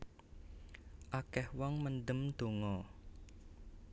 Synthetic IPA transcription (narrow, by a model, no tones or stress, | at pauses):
ʔakɛhwɔŋmənɖ̪əmd̪̥o̤ŋɔ